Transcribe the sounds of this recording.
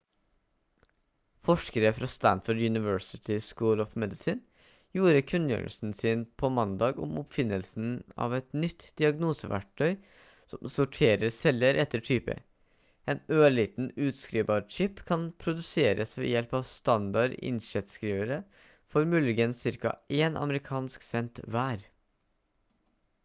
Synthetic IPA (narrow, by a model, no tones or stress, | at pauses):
fɔʂkəɾəfɾɑst̪ænfʊɖjʉnɪʋøːsɪt̪ʰɪskuːlɔfmɛd̪ɪsɪn | juːɾəkʰʉnːjø̰ːɹə̰lsn̩sɪnpʰɔmɑnd̪ɑːɡɔ̰mɔpfɪnːəlsn̩ɑ̰ːʋɛt̪nʏt̪d̪̥ɪɑɡnuːsə̰ʋæ̰ʈʰːœʏ | sɔmsʊʈʰeːɾəɾsɛlːəɾʔɛt̪ːəʈʰyːpə̰ | ɛnøːɭiːt̪n̩ʉːt̪skɾiːbɑɾt͡ʃʰɪpkʰɑnpʰɾʊd̪ʉseːɾʔəsʋɛ̰jɛlpɑʋst̪ɑnd̪ɑɾɪ̰nʃɛt̪skɾiːʋəɾə | fɔɾmʉlɪɡənsɪɾkɑ̰ʔeːnɑ̰məɾɪkʰɑːnsksɛnt̪ʋæːɾ